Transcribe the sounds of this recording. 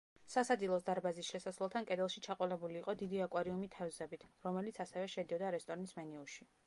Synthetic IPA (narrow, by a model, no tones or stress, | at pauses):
sasad̪zilˠɔsd̪aɾbazisʃɛsaslɛlˠt̪ʰankʼɛd̪ɛlˠʃit͡ʃʰaqʼɔlɛbuliːqʼɔd̪id̪iakʼwaɾiumit̪ʰɛvzɛbit̪ʰɾɔmɛlit̪sʰasɛvɛʃɛd̪iɔd̪aɾɛst̪ʼɔɾnismɛniuʃi